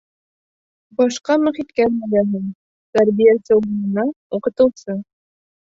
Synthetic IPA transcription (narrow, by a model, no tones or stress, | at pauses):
bɒʃqɑmɵ̆χit̪kænbɘlæɦɘŋ | t̪æɾbijæsɘulŭnɤ̆nɑuqɤ̆t̪ɤ̆wsɤ